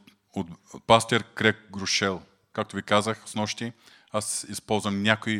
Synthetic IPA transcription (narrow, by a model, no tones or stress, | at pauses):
ot̪past̪ʲɛɾkɾɛk̚ɡɾʊʃɛlˠ | kak̚t̪ʊvikazəxsnɔʃt̪i | asispɔlˠzvɐmnʲakoj